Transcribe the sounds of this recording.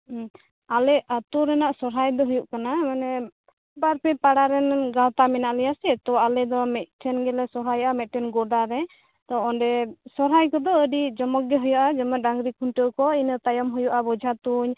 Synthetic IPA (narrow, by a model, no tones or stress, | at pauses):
alɛat̪uɾɛnaʔsɔɾɦajd̪ɔɦujuʔkanamanɛ | baɾpɛpaɽaɾɛnɡawt̪amɛnaʔlɛjasɛt̪ɔalɛd̪ɔmɛt̪̚ˀʈʰɛnɡɛlɛsɔɦajʔamɛt̪̚ʈʰɛnɡɔɖaɾɛ | t̪ɔɔnɖɛsɔɾɦajkɔd̪ɔəɖid͡ʒɔmɔk̚ɡɛɦujaʔad͡ʒɔmɔɖaŋɡɾikʰunʈəwkɔinət̪ajɔmɦujuʔabɔd͡ʒʱat̪uɲ